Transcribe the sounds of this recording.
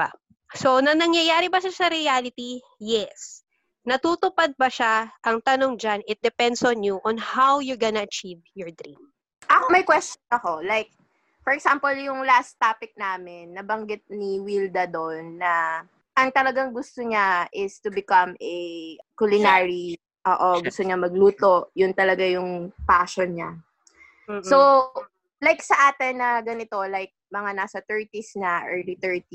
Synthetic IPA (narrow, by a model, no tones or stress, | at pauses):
a | sonɐnɐŋjɐjaːɾɛbɐʃasɐɾɪalɪt̪i | jɛs | nɐt̪uːt̪ʊpad̪̚pɐʃaʔɐŋt̪ɐno̞ŋd͡ʒanɪt̪̚d̪ɛpɛnd̪sɔnjuʔɔnhawjʊɹɡɐnɐɐt͡ʃivjɔɹd̪ɾḭ̃m | ʔɐkomɐjkwɛst͡ʃonɐkolajk̚ | fɔɹɛksampɔljʊŋlast̪ːaːpɪk̚naːmɪnːɐbɐŋɡɪt̪̚niwild̪ɐd̪onːɐ | ʔɐŋt̪ɐlɐɡaŋɡʊst̪oɲaʔɪst̪ʊbɪkamɛkʊlɪnaɹi | ʔoːʔoɡʊst̪oɲamɐɡ̚luːt̪o̞ʔjʊnt̪ɐlɐɡajʊŋpaːʃonɲa | so | lajksɐʔaːt̪ɛnːɐɡɐnɪt̪o̞lajk̚mɐŋanaːsɐt̪ɛɹt̪isnɐʔɛɹlit̪ɛɹt̪i